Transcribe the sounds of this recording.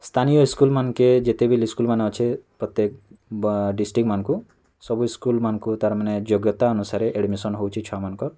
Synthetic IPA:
st̪ʰanijɔiskulmanked͡ʒet̪ebʱiliskulmaneɔt͡ʃʰepɾɔt̪jek̚ | ɖisʈikmanɔ̃ku | sɔbuiskulmanɔ̃kut̪aɾmaned͡ʒoɡjɔt̪aɔnusaɾeʔeɽmisɔnɦowt͡ʃʰit͡ʃʰɔamanɔ̃kɔ

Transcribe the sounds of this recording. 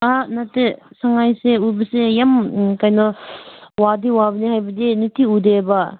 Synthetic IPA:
anatesaŋajseubɐsejamkajnɔ | wadiwabɐnihajbɐdinitiudeba

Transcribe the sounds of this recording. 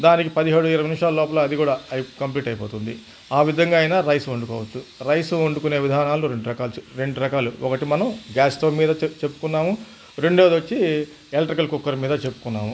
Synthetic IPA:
d̪aːnikipɐd̪iɦeːɽuiɾɐʋɐnimʂaːlɐlɔːpɐlɐd̪ikuːɽaːkɐmpliːʈɐjpoːt̪und̪i | aːʋid̪ʱɐŋɡaːjinaɾɐjsuoɳɖukɔ̰ːʋɐt͡ʃːuɾɐjsuoɳɖukune̞ːʋid̪ʱaːnaːluɾe̞ɳɖuɾɐkaːlsu̥ɾe̞ɳɖuɾɐkaːluɔkɐʈimɐnɐmɡaːsʈ̪oːmiːd̪ɐt͡ʃe̞pːu̥kunːaːmu | ɾe̞ɳɖeːd̪ɐt͡ʃːi | elʈɾikɐlkukːɐɾmiːd̪ɐt͡ʃe̞pːu̥kunːa̰ːmu

